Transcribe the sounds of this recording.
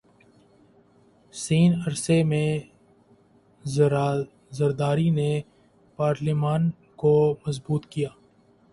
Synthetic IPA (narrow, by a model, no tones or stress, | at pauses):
siːnɐɾsemẽ | zɐɾd̪aːɾine | paːɾlimaːn | komɐzbuːt̪kijaː